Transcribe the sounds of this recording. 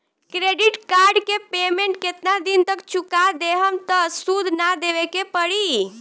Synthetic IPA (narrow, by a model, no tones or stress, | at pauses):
kɾeɖiʈkaɾɖkepemeɳʈ̚ket̪nad̪int̪əkt͡ʃukad̪eɦəmt̪əsud̪ʱnad̪eʋekepəɽi